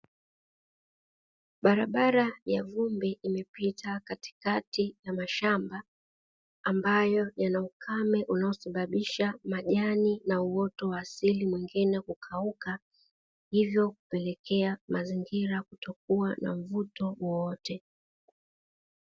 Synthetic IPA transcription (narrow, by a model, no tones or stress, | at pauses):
ɓaɾaɓaɾajavumbɛʔimɛpitʰakati̥katijamaʃambaː | mbajɔjanaukʰamɛʔunaɔsaɓaɓiʃamaʄaninauwɔtɔwaːsilimwiŋɡinɛkukʰauka | hivjɔkupɛlɛkɛamaziŋɡiɾakutɔk̚uana̰ɱ̩vutɔwɔwɔtɛ